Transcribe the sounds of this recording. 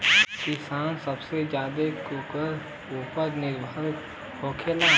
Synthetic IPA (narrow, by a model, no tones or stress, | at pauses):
kɪsaːnsəbsed͡ʒjaːd̪ekukəɾ | ʊpəɾnɪɾbʱəɾ | hoːkʰelaː